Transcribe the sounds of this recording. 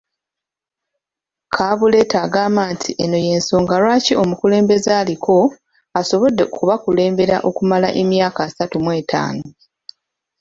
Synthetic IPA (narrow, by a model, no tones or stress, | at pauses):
kʰaβule̞taːɡaːmaːntʰiʔeno̞je̞ːnso̞ːŋɡaɾwaːciʔo̞mukule̞ːmbe̞zaːlikʰo̞ | aso̞βo̞dːeokuβakule̞ːmbe̞ɾa̰ʔo̞kumalaʔe̞mjaːkaːsatumwe̞ːtʰa̰ːno